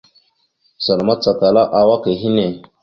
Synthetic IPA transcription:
sa˨lma˦t͡sa˨ta˨la˦ʔa˨wa˦ke˨ɦi˦ne˨

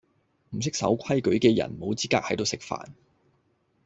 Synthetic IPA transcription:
m̩˨˩s̬ɪ˥k̚sɐ̰˨˥wkʷʰɐ˥jkɵ˨˥ɥkɛː˧jɐ̰˨˩nmo˨˥wt͡siː˥kaː˧k̚hɐ˨˥jt̪o˨˧wsɪ˨k̚fa̰ː˨n

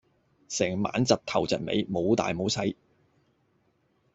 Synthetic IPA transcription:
sɛː˨˩ŋma̰ː˨˥nt͡sɐ˨t̚t̪ʰɐ˨˩wt͡sɐ̰˨t̚mḛ˨˧jmo˨˧wt̪a̰ː˨jmo˨˥wsɐ˨˥j

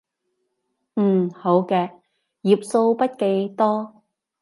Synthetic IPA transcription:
m̩ː˨˩ho˨˥wkɛː˧ | jiː˨˩p̚so˧wpɐ˥t̚ke˨˧jt̪ɔː˥

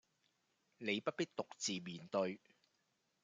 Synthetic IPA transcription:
ne˨˧jpɐ˥t̚pi˥k̚t̪ʊ˨k̚t͡siː˨miː˨˩nt̪ɵ˧ɥ

